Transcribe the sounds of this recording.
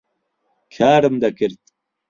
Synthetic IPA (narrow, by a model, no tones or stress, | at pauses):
kʰaːɽɐmd̪ɐkiɾt̪